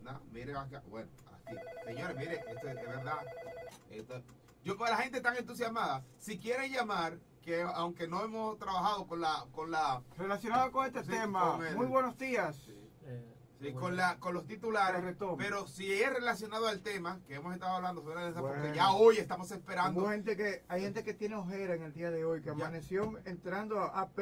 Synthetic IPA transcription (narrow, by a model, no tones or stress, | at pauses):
nomiɾeβakabweno | a̰siseɲo̞ɾesmiɾeest̪oet̪eland̪a | et̪o | ɟ͡ʝopolaxe̞nt̪et̪aŋe̞nt̪us̬jasmaðasikje̞ɾeŋʝamaɾ | keawŋke̞no̞e̞mo̞st̪ɾaβaxaðo̞konlakonlarelasjonaðokoŋest̪est̪emaoŋemujβwenozd̪ias | ikonlako̞nlo̞st̪it̪ulaɾeret̪ope̞ɾo̞sie̞re̞lasjo̞naðoalt̪e̞makeemose̞st̪aðoaβland̪ofeɾaðees̬apeʝaojest̪amo̞se̞spe̞ɾand̪ohent̪ekeajhe̞nt̪e̞ke̞t̪je̞neoxe̞ɾaeŋe̞ld̪iaðe̞o̞jkeamanesjo̞ŋent̪ɾand̪oaʔap